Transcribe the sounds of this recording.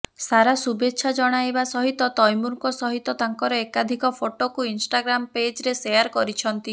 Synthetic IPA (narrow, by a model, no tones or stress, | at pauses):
saɾasubetːʃʰad͡ʒɔɽ̃ajbasɔɦit̪ɔt̪ɔjmuɾkɔsɔɦit̪ɔt̪aŋkɔɾɔekad̪ʱikɔpʰoʈokuinsʈaɡɾamped͡ʒɾesejaɾkɔɾit͡ʃʰɔnt̪i